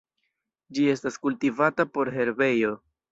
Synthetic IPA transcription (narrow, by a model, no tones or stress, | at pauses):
d͡ʒie̞staskultivatapo̞ɾɦe̞ɾbe̞jo̞